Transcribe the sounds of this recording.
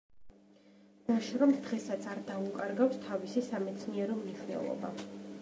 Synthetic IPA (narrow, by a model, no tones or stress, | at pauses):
d̪aʃɾɔmd̪̥ʁɛsat̪sʰaɾd̪aukʼaɾɡawst̪ʰavisisamɛt̪sʰniɛɾɔmniʃwnɛ̰lˠɔ̰ba̰